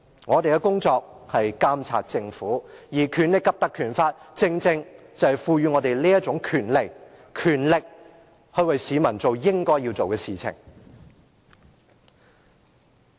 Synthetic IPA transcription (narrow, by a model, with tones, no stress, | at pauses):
ŋɔː˨˧t̪e˨jkɛ˧kʊ˥ŋt͡ʃɔː˧k̚hɐ˨jkaː˥mt͡sʰa̰ː˧t̚t͡sɪ˧ŋfuː˨˥jiː˨˩kʰyː˨˥nlɪ˨kːɐ˨p̚t̪ɐ˨˧kʰyː˨˩nfaː˧t̚t͡sɪ˧ŋt͡sɪ˧ŋ | t͡sɐ˨whɐ˨˩jfuː˧jyː˨˧ŋɔː˨˧t̪e˨jliː˥jɐ˥t̚t͡sʊ˨˥ŋkʰyː˨˩nle˨˩k | kʰyː˨˩nlɪ˨k̚ | hɵ˧ɥwɐ˨jsiː˨˧mɐ˨˩nt͡so˨wjɪ˥ŋkɔː˥jiː˧wt͡so˨wkɛː˧siː˨t͡sʰɪ̰˨˩ŋ